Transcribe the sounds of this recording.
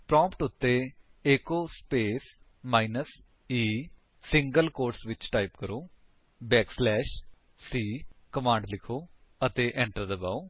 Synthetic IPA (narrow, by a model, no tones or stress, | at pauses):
pɾɔ̃ːmpʈʊt̪ːeː | eːkoːspeːs | maːɪnəs | iː | sɪ̃ŋɡəlkoːɾsʋɪt͡ʃʈaːipkəɾoː | bɛːkslɛːʃ | siːkəmãːɳɖlɪkʰoː | ət̪eːʔɛ̃ːɳʈəɾd̪əba̰ːoː